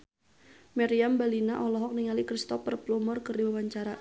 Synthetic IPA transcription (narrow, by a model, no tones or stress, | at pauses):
mɛɾiambalinaʔɔlɔɦɔk̚niŋalikɾist̪ɔpərplumɔrkərdiwawaɲt͡ʃaɾa